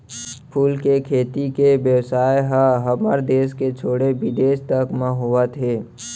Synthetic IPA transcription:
pʰuːlkekʰeːt̪ikebjəwsaːjɦəɦəməɾd̪eːs̬ket͡ʃʰoːɽebɪd̪eːʃt̪əkmə̃ɦoət̪ʰɦeː

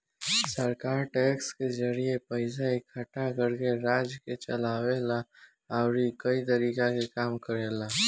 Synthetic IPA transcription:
səɾkaːɾʈɛːkskezəɾiepəɪsaikʰəʈakəɾkeɾaːd͡ʒket͡ʃəlaːwela | aʊɾikəit̪̬əɾiːkakekaːmkəɾeːlaː

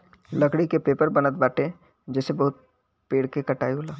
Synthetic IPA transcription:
lɐkɽikepeːpəɾbɐnət̪̚baːʈẽ | d͡ʒɛːsebɐɦʊt̪̚ | peːɽkekɐʈaːiolaː

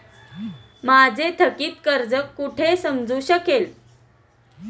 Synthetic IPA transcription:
mad͡zʱet̪ʰəkiːt̪kəɾd͡zəkːuʈʰesəmd͡zuːɕəkel

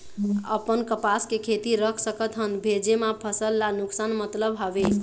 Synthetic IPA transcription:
ə̰pənkəpaskekʰet̪iɾəkʰsəkət̪ɦənbʱed͡ʒemapʰəsəlːanuksanmət̪ləbɦabe

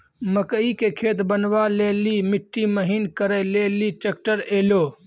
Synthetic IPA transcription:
məkəikekʰeːt̪bənʋalelimiʈːiməɦiːnkəɾəleliʈek̚ʈəɾeːlo

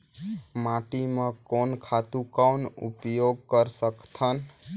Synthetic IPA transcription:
maʈimekonkʰat̪ukawnṵpjoɡ̚kəɾsəkt̪ʰən

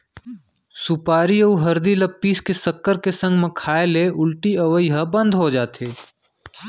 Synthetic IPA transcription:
sʊpaːɾiɐuɦɐɾd̪ilɐpːiːskesɐkːəɾkesɐ̃ŋɡmẽkʰaːeleʊlʈiɐʋəjɦɐbɐ̃nd̪ʱɦod͡ʒaːt̪eː

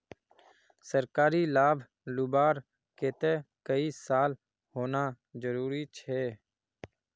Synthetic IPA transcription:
səɾkaːɾiːlaːbʱ | lubaːɾ | keːt̪eːkəiːsaːl | hoːnaː | zəɾuːɾiːt͡ʃʰeː

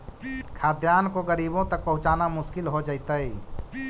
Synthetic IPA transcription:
kʰaːd̪jaːnkoɡəɾiːbõt̪ɐk̚pɐɦʊ̃t͡ʃaːnamʊʃkɪlɦod͡ʒaɪt̪əi

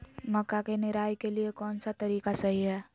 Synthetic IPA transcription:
mɐkːakenɪɾaːjkeliekɔːnsat̪ɐɾiːkasɐɦiɦɛː

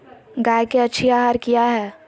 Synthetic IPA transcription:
ɡaːjkeɐtːʃʰiaːɦaːɾkijaɦɛː

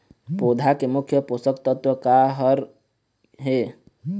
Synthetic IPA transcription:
pod̪ʱakemʊkʰjəposəkt̪ət̪wəkaɦəɾ | ɦe

